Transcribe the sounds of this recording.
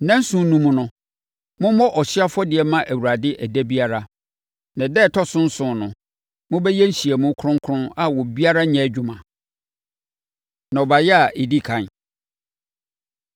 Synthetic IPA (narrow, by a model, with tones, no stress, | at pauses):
nã˦n̩˦sũ˦nũ˨mũ˨nʊ̃˨˦ | mʊ̃˦mɔ˦ʔɔ˨ɕɪ˦a˦fɔ˦dɪ˨ɛ˨mã˦ʔæ˨wu˨ɾa˨dɪ˦ʔæ˨dæ˦bi˦a˦ɾa˦ | nã˨dɛ˦˨tʰɔ˦sʊ̃˦n̩˦sʊ̃˨nʊ̃˨ | mʊ̃˦bɛ˦jɛ˦n̩˦˨ɕi˨ɛ˨mũ˦kʰɾʊ̃˦ŋ˦kʰʊ̃˦a˦wɔ˨bi˦a˦ɾa˦ɲɛ̃˨˦d͡ʑᶣʊ˨mã˨ | nã˨ɔ˨ba˨jɛ˦a˨ʔe˨di˦kʰã˨n